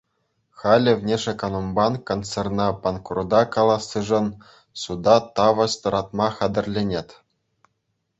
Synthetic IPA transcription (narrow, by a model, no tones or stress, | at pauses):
χɑlʲɘ̆vnʲeʂekonombɑnkont͡sernɑpɑnkrud̪ɑkɑlˠɑsːɯʐɤ̆n | sud̪ɑt̪ɑʋɤ̆sʲt̪ɤ̆ɾɑt̪mɑχɑd̪ɘ̆rʲlʲenʲet̪ʲ